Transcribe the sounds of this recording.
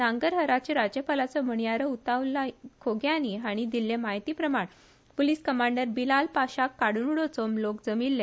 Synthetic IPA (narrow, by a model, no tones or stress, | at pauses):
naŋɡəɾɦəɾat͡ɕeɾad͡ʑjəpalat͡səm̤əɳjaɾəut̪aʋlakʰoɡjaniɦaɽ̃id̪ilːemaɦit̪iːpɾəmaɳ | poliskəmaɳɖəɾbilalpaɕakːaɽuɳuɽot͡somlokd͡zəmilːẽ